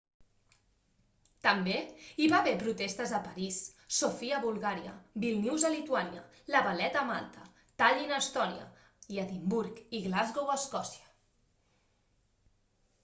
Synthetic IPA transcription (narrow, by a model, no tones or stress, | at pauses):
t̪əmbeiβaβepɾut̪est̪əzəpəɾisː | ofiəβulˠɣaɾiə̰bilˠniwzəlit̪uanjə̰ | ləβalɛt̪əma̰lˠt̪ə | t̪aʎinəst̪ɔniə̰ | jat̪imbuɾkiɣlazɣowəskɔsiə̥